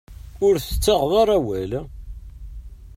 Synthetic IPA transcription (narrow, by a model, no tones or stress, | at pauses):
ʊɾθə̥t͡sːəʁðˤɑɾˤæwæl